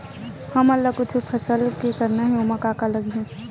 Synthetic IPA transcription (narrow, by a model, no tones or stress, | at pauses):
hɐmɐlːakʊt͡ʃʰupʰɐsəlkekɐɾnaɦɛomakaːkalɐɡiɦũ